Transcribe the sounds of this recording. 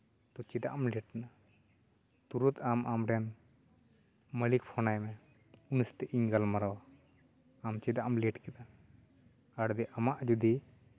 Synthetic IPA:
t̪ɔt͡ʃid̪a̰ʔmliʈ̚na | t̪uɾut̪amamɾɛn | məlikpʰɔnajmɛ | unist̪ɛʔiɲɡalmaɾawaː | mt͡ʃid̪aʔmliʈkɛt̪a | aɽd̪ɛʔamaʔd͡ʒud̪i

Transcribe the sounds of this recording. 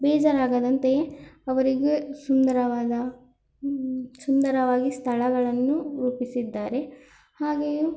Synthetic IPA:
bɛːd͡ʒaɾaːɡɐd̪ɐnt̪eɐʋɐɾiɡesund̪ɐɾɐʋaːdɐ | sund̪ɐɾɐʋaːɡist̪ʰɐɭɐɡɐɭɐnːuɾuːpisid̪ːaːɾe̞ | haːɡeju

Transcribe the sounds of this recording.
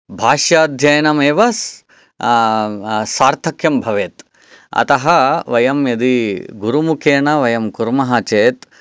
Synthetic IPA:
bʱaːʂjaːd̪ʱjɐjɐnɐmeːʋɐs | saːɾt̪ʰɐkʰjɐmbʱɐʋeːt̪ | ɐ̰t̪ɐɦɐʋɐjɐmjɐd̪iɡuɾumukʰeːɳɐʋɐjɐmkuɾmɐɦɐt͡ʃeːt̪

